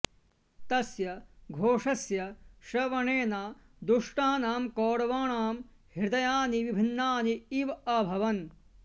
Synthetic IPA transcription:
t̪ɐsjɐɡʱoːʂɐsjɐʃɐʋɐɳeːnaː | d̪uʂʈaːnaːmkɔːɽɐʋaːɳaːm | hiɾd̪ɐjaːniʋibʱinːaːniiʋɐbʱɐʋɐn

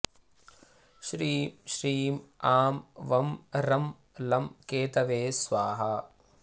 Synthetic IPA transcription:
ʃɾiːmʃɾiːmaːmʋɐmɾɐm | lɐmkeːt̪ɐʋeːsʋaːɦɐ

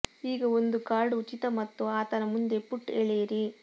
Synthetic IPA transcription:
iːɡɐo̞nd̪ukaːɾɖuut͡ʃit̪ɐmɐt̪ːuaːt̪ɐnɐmund̪e̞puʈːeɭejɐɾi

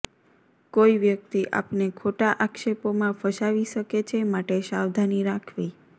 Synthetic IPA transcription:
koiʋjək̚t̪iʔa̰pnekʰoʈaʔakʃepomãfʰəʃaʋiʃəket͡ʃʰemaʈeʃawd̪ʱaniɾakʰʋi

